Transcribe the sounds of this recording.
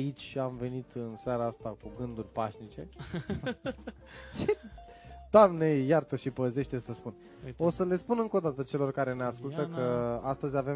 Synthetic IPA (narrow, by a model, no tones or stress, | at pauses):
it͡ʃʲamve̞nit̪ɨnsaɾaast̪akuɡɨnd̪urʲpaʃnit͡ʃe̞̰ | ʃi | d̪̥oamne̞jart̪əʃipəze̞ʃt̪e̞səspun | o̞səle̞spunɨŋko̞d̪at̪ət͡ʃe̞lo̞rkaɾe̞neaskult̪əkəast̪əzʲave